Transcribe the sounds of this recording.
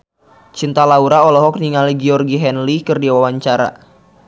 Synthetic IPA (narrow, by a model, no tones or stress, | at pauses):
t͡ʃint̪alauɾaɔlɔɦɔk̚niŋaliɡiɔrɡiɦɛnlikɨrdiwawaɲt͡ʃaɾa̰